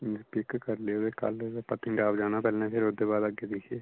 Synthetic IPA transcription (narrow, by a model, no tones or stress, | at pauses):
pɪkkəɾleoːd̪eːkə̰lpət̪ɪ̃ɳɖaːʋd͡ʒaːnãːpɛːlɛ̃ːpʰeɾʊd̪eːbaːd̪əɡeːd̪iːsieː